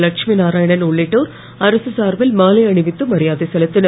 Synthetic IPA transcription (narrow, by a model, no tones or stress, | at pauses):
lɐkʂminaːɾaːjɐɳɐnluɭːiʈːoːɾ | ɐɾɐsɨsaːrʋilmaːlɐjɐɳiʋit̪ːumɐɾijaːðist̪ʰɐlɐt̪ːin